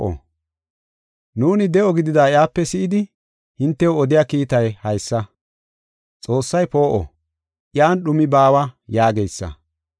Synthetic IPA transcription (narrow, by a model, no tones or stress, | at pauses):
ʔɔ̰ | nuːnɪd̪ɛʔɔɡɪd̪ɪd̪aːɪjaːpːɛsɪʔɪd̪ɪ | hɪnt̪ːɛoɔd̪ɪjaːkiːt̪ɐjhɐjsːɐ | t͡sʼo̞ːsːɐjpo̞ːʔɔ̰ | ʔjaːnɗʊmɪbaːwɐjaːɡejsːɐ̰